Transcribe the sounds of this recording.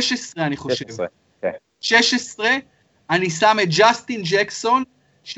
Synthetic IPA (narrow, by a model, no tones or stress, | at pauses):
ʃesʁeaniχo̞ʃev | ʃeʃesʁe̞ | anisamet̪̚d͡ʒast̪ind͡ʒekso̞n | ʃ